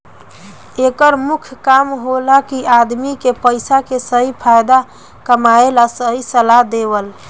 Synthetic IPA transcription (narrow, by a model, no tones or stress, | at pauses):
ekəɾmukʰkamɦolakiʔad̪mikepəɪsakesəɦipʰajd̪a | kəmaelasəɦisəlaɦd̪ebəl